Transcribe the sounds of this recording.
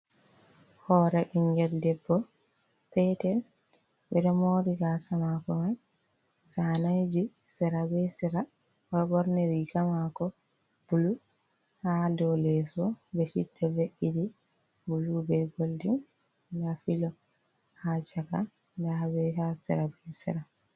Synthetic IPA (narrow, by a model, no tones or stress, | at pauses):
hɔːɾɛʔiŋɡɛldɛbːɔpɛtɛlbɛdɔmoːɾiɡasamakɔman | sanajd͡ʒisɛɾabɛsɛɾaɔbɔɾnɛɾikamakɔb̥uluhadɔlɛsɔbɛsḭdːɔveʔidibulubɛɡoldindafilɔhat͡ʃaka̰dabɛɦasɛ̰ɾabɛsḭɾa